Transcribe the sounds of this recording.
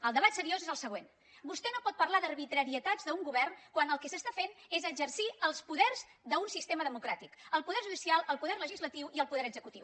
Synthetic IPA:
əlˠd̪əβat̪səɾiozezəlˠsəɣ̞wen | bust̪ɛnopɔt̪̚pərlaðərβit̪ɾəɾiət̪azðəuŋɡuβɛrnkwanəlˠkɛsəst̪afenezəd͡ʒərsiəlˠspuðɛrzðəunsist̪eməðəmukɾat̪ikəlˠpuðɛɾʒuðisialˠəlˠpuðɛrləʒizlət̪iwiəlˠpuðɛɾəɡzəkut̪iw

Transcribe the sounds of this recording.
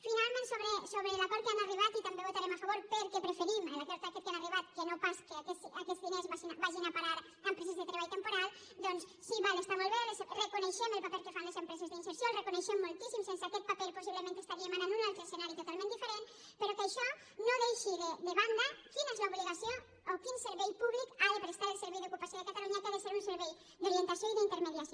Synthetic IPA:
finalmẽnt̪soβɾesoβɾelapoɾkeemariβ̞at̪it̪ambeβot̪aɾemafaβoɾpeɾkepɾefeɾimelakoɾt̪keaket̪kemariβat̪̚kenopaskeakesakɛzðinezβaʃinbaʒinapaɾaɾ | empɾesezðet̪ɾeβ̞aʎt̪empoɾal | d̪ɔnssiβalest̪amolˠβeðesrekuneʃɛməlˠpapɛlkefanlezempɾɛzezðinseɾsjolrekuneʃɛmːolˠt̪isimsemsakɛt̪̚papɛlposiβləmẽnt̪est̪aɾiemananunalˠt̪ɾəesenaɾit̪ut̪alˠmẽnd̪ifeɾen | peɾokəʃɔ | noðejʃiðed̪əβand̪əkinezlauβliɣasio | okinseɾβɛjpuβlikaɾəpeɾest̪aɾəlˠsəɾβɛjðokupasjoðekat̪aluɲakaðeseɾunseɾβɛj | d̪oɾient̪asjoiðint̪əɾmeðiaso

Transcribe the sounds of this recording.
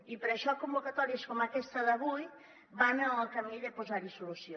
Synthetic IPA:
ipəɾəʃɔkumbukat̪ɔɾiəskɔmakɛst̪əðəβuj | banəlˠkamiʎəpuzaɾisulusjo

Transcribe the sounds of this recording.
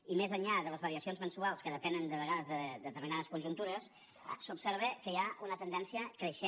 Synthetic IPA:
imezəɲʎaðələzβəɾiəsionzmənsualˠskəðəpɛnənd̪əβəɣaðəzðəd̪ət̪əɾminaðəskunʲʒunt̪uɾəs | supsəɾβəkəjaʔunət̪ənd̪ɛnsiəkɾəʃe

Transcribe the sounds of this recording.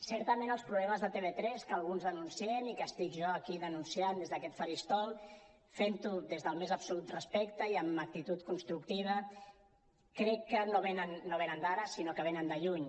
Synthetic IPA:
sɛɾt̪əmenəlˠspɾuβlɛməzðət̪eβet̪ɾɛskəlˠɣunzðənunsienikəst̪ikʒɔəkiðənunsiand̪ezðəkɛt̪fəɾist̪ɔlˠ | fent̪uðezðəlˠmezəbsulut̪rəspɛkt̪əiəmək̚t̪it̪ut̪kunst̪ɾuk̚t̪iβ̞ə | kɾɛkːənoβenənːoβenənd̪aɾəsinokəβenənd̪əʎuɲ

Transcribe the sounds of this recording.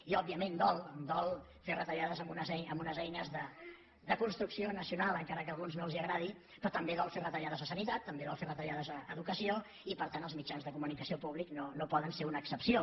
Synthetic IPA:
iɔb̚ːiəmend̪ɔlˠd̪ɔlˠ | ferət̪əʎaðəzəmbunəzɛəmbunəzɛjnəzðə | d̪əkunst̪ɾuksionəsiunalˠəŋkaɾəkəlˠɣunznolˠziəɣɾað̞i | pɾɔt̪əmbeðɔlˠferət̪əʎað̞əzəsənit̪at̪ːəmbeðɔlˠferət̪əʎaðəzəːðukəsio | ipəɾt̪anəlˠzmit͡ʃanzðəkumunikəsiopuβliknonopɔðənseunəːksəpsio

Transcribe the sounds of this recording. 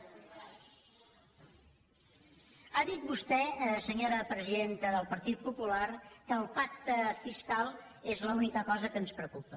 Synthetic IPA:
aðit̪̚bust̪ɛsəɲoɾəpɾəziðent̪əðəlˠpəɾt̪it̪̚pupularkəːlˠpak̚t̪əfiskalˠ | ezləunikəkɔzəkənspɾəkupə

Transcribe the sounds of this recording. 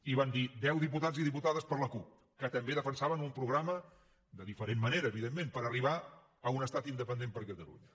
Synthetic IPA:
iβand̪id̪ɛwðip̬ut̪aziðiput̪aðəspəɾləkup̚ | kət̪əmbeðəfənsaβənumpɾuɣɾamə | d̪əðifəɾemːəneɾəːβiðemːẽmpəɾəriβa | əunəst̪at̪ind̪əpənd̪empəɾkət̪əlṵɲə

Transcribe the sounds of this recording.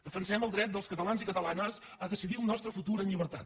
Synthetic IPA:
d̪̥əfənsɛməlˠd̪ɾɛt̪̚d̪əlˠskət̪əlanzikət̪əlanəz | əðəsiðiunːɔst̪ɾəfut̪uɾənʎiβəɾt̪a̰t̪

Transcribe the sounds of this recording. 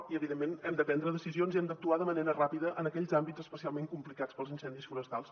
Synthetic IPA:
iəβiðemːenɛmd̪əpɛnd̪ɾəðəsizionziɛmd̪ək̚t̪uaðəməneɾərapiðəʔənəkɛʎzambiz̥əspəsialˠmeŋkumplikat͡spəlˠzinsɛnd̪isfuɾəst̪alˠs

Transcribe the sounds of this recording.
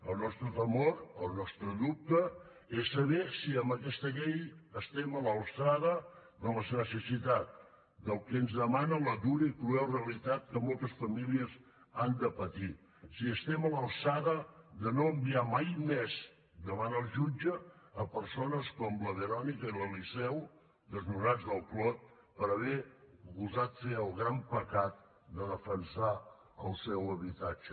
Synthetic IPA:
əlˠnɔst̪ɾət̪əmoɾəlˠnɔst̪ɾəðup̚t̪ə | esːəβɛsiəmbəkɛst̪əʎejəst̪ɛmələlˠsaðəd̪ələznəsəsit̪at̪̚ | d̪əlˠkeənzðəmanələðuɾəikɾuɛlreəlit̪at̪̚kəmɔlˠt̪əsfəmiliəz | and̪əpət̪i | siəst̪ɛmələlˠsaðəðənoəmbiamajmɛz | d̪əβanəlˠʒud͡ʒəːpəɾsonəskɔmləβəɾɔnikəiləlisɛw | d̪əznuɾad͡zðəlˠklɔt̪̚ | pəɾəβɛɣuzat̪feəlˠɣɾampəkat̪̚ | d̪əðəfənsa | əlˠsɛwəβit̪ad͡ʒə

